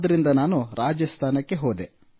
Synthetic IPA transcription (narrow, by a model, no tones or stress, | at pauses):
d̪ɐɾind̪ɐnaːnuɾʔaːd͡ʒɐst̪ʰaːnɐkːe̞ɦoːd̪e